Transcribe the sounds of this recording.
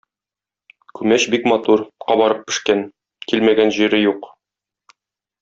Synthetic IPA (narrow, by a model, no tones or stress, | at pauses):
kʉmæɕbikmɑt̪uɾqɑbɒɾɤp̚ːɘ̆ʃkæn | kilmæɡænʑiɾɘjuq